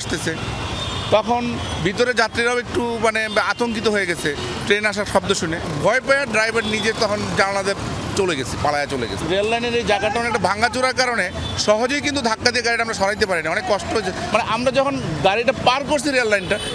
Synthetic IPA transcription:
ʃt̪et͡ɕʰe | t̪ɔkʰonbʱit̪oɾed͡ʑat̪ːɾiɾawek̚ʈumaneat̪oŋkit̪oɦoeɡɛt͡ɕʰe | ʈɾenaʃ̬aɾʃɔb̚d̪oʃunebʱɔepeaɾɖɾajbʱaɾnid͡ʑet̪ɔkʰond͡ʑaɾanad̪eɾ | t͡ɕoleɡɛt͡ɕʰipalajat͡ɕolḛɡɛ̰t͡ɕʰiɾelːajneɾejd͡ʑaɡaʈaɔnek̚ʈabʱaŋat͡ɕuɾaɾkaɾone | ʃɔɦod͡ʑojk̬int̪̬ud̪ʱakːad̪ijeɡaɾiʈaamɾaʃɔɾajit̪̬epaɾinaɔnekːɔʃʈoɦoet͡ɕʰemaneʔamɾad͡ʑɔkʰonɡaɾiʈapaɾkoɾt͡ɕʰiɾellajnʈa

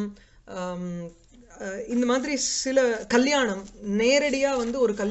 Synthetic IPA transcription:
m | ɪnd̪ɐmaːðɪɾisɪlɐkɐljaːɳɐmneːɾɐɽɪjaːʋɐnd̪ɯɔɾɯkɐl

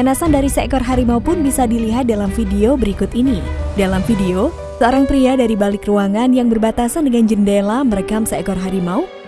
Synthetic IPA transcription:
d͡ʒanasandaɾisakɔrɦaɾimaupʊnbisadiliɦat̪̚dalamfideobəɾikʊt̪inidalamfideo | səoɾaŋpɾiadaɾibalɪkruaŋanjaŋbərbat̪asandəŋand͡ʒəndelaməɾekamsakɔrɦaɾimau

